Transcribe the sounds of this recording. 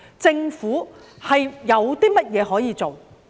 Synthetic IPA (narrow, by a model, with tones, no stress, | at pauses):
t͡sɪ˧ŋfuː˨˥ | hɐ˨jːɐ˨˧wt̪iː˥mɐ˥t̚jɛː˨˧ɦɔː˨˥jiː˨˧t͡so˨˩w